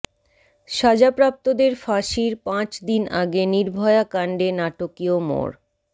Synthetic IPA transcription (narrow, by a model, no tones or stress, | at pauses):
ʃad͡ʑapɾap̚t̪od̪eɾfaʃiɾpãt͡ɕd̪ina̰ɡeniɾbʱɔeakaɳɖenaʈokiomo̰ɾ